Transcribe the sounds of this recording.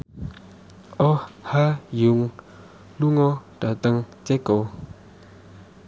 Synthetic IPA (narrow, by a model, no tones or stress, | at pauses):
ʔɔhajuŋ | luŋɔtat̪əŋt͡ɕɛkow